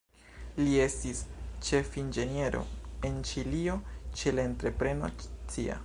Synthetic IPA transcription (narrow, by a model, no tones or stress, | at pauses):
lie̞stist͡ʃe̞find͡ʒe̞nie̞ɾʔo̞̰e̞nt͡ʃilio̞t͡ʃe̞lae̞ntɾe̞pɾe̞no̰t͡sia̰